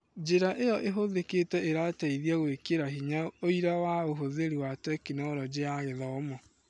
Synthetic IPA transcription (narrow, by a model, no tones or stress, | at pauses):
d͡ʒeɾaʔejɔʔeɦoðeketɛʔeɾataiðjaɣwekeɾaɦiɲaoiɾawaoɦoðeɾiwatɛkinɔɾɔd͡ʒeaɣeðɔɔmɔ